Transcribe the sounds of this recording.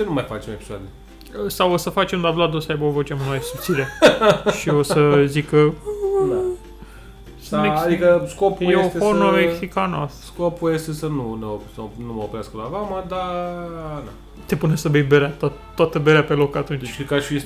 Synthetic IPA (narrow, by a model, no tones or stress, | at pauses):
t͡ʃenumajfat͡ʃmoepi̥soa̰d̪e | əsawosəfat͡ʃe̞md̪ablad̪osəajbəovot͡ʃemunmajesut̪siɾe̞ʃio̞səzikəd̪a | sameːd̪ikəskopujeost̪efonomeksikanasskopujest̪esənuneopsnuməopɾeaskəlaɡaməd̪a | na | t̪e̞punesəbejbeɾeat̪aːoat̪əbeɾeape̞lo̞kat̪unt͡ʃkɾit̪kaʃfis